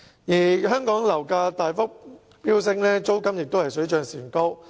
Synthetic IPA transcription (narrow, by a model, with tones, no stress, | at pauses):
jiː˨˩ɦœː˥ŋkɔː˨˥ŋlɐ˨˩wkaː˧t̪aː˨jfʊ˥k̚ | piː˥ws̬ɪ˧ŋlɛː˥t͡so˥wkɐ˥mjɪ˨k̚t̪o˥whɐ˨˩jsɵ˨˥ɥt͡ʃœː˧ŋsiː˨˩nko˥w